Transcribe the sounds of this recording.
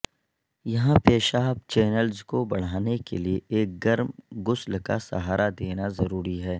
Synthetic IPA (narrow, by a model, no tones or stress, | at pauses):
jɐɦãpeːʃaːbt͡ʃɛːnəlzkobɐɽ̤aːnekelieʔeːk̚ɡɐɾmɡʊslka̰sɐ̰ɦaːɾʔad̪eːnazɐɾuːɾiɦɛː